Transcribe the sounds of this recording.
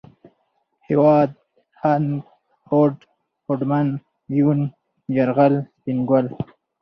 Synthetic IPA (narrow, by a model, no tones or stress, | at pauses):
hewɑːd̪̚ | hanɡ | hoʈ | xoɖman | jun | d͡ʒaɾɣalt̪inɡwal